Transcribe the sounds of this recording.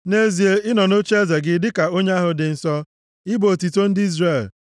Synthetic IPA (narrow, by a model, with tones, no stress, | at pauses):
ne˦zi˨e˦ɪ˦nɔ˨no˦t͡ʃe˦ze˨ɡɪ˦dɪ˦ka˨o˦ɲe˦a˦ɦʊ˨dɪ˨n̩˨sɔ˦ | ɪ˦bo˨ti˨to˦n̩˦dɪ˦i˦zre˦˨l